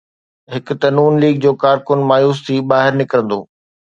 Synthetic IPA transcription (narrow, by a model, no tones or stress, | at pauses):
ɦɪkʊ̆t̪ɐnuːnliːɡ̚d͡ʑoːkaːɾkʊnmaːjuːst̪ʰiːbaːɦɪɾnɪkəɾə̃nd̪o̰ː